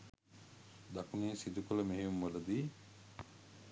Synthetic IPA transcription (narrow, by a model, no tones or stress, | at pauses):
d̪akuneːsid̪ukuləmeɦijumːolɐd̪iː